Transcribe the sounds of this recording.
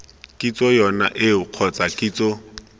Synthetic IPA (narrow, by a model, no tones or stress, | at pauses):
kʼit͡sʼɔjɔnaʔɪʊq͡χʰɔt͡sakʼiːt͡sʼɔ